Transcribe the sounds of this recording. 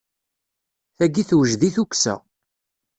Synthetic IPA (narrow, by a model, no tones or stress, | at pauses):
θæɡiθwəʒðiθuksæ̰